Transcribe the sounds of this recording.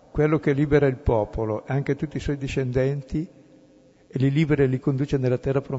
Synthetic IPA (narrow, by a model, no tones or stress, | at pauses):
kwelːok̟eliːbeɾailpɔːpoloʔɛaŋk̟et̪ut̪ːiswɔjd̪iʃend̪ɛnt̪i | eliliːbeɾelikond̪uːt͡ʃenelːat̪ɛrːapɾo